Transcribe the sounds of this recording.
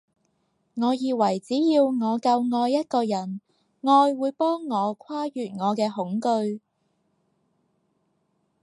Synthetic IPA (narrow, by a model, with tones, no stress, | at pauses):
ŋɔː˨˧jiː˧wɐ˨˩jt͡siː˨˥jiː˧wŋɔː˨˧kɐ˧wŋɔː˧jːɐ˥t̚kɔː˧jɐ˨˩n | ŋɔː˧jwuː˨˧jpɔː˥ŋːɔː˨˧kʰwaː˥jyː˨t̚ŋɔː˨˧kɛː˧ɦʊ˨˥ŋkɵ˧ɥ